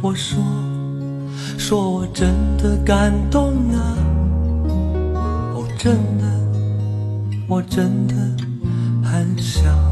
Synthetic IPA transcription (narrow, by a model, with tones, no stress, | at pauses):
wɔ˨˩ʂwɔ˥ | ʂwɔ˦wɔ˨˩ʈ͡ʂə˦nd̪ə˨ka˨˩nt̪ʊ˥˧ŋlə˨ | wɔ˨˩ʈ͡ʂə˦nd̪ə˨ | wɔ˨˩ʈ͡ʂə˦nd̪ə˨ | xə˨˦nɕjɑ˨˩˦ʊ